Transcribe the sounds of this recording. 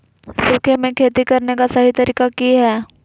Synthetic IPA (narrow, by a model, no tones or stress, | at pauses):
soːkʰemẽkʰeːt̪ikɐɾnekasɐɦit̪ɐɾiːkakiɦɛː